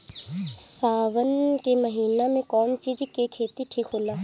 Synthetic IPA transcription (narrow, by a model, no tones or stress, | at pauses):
saːʋənkemɐɦiːnamẽkɔːnt͡ʃiːd͡ʒkekʰeːt̪iʈʰiːkɦoːlaː